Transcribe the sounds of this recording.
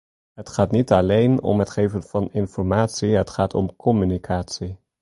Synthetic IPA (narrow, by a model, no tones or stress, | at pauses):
ɦətχaːtnitɑlejnɔ̰mɦətχeːvənv̥ɑnɪnfɔrmaːtsiɦətχaːtʰɔ̰mkʰɔmynikʰaːtsi